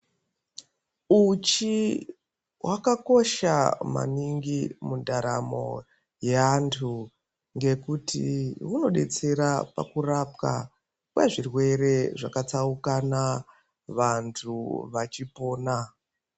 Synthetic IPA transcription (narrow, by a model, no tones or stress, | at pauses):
ut͡ʃi | wʔakako̞ʃa̰ma̰niŋɡimundaɾa̰mo̞̰ | jeantʰu | ŋɡe̞kutḭuno̞ɗe̞t͡se̞ɾapa̰kurapka̰ | kwa̰ʐirwe̞re̞ʐakat͡saukana | ʋantʰuʋat͡ʃipo̞ːna